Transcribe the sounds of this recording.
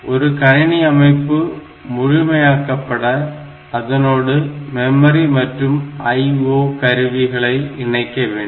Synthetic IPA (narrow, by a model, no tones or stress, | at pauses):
ʔɔɾɯkɐɻɪɳiɐmɐɪpːɯ | mʊɻɪmɐjaːkːɐpːɐɽɐː | ðɐnoːɽɯmɛmɐɾimɐʈrɯmɐɪoːkɐɾɯʋɪɣɐɭɐɪɪnɐɪkːɐʋeːɳɖ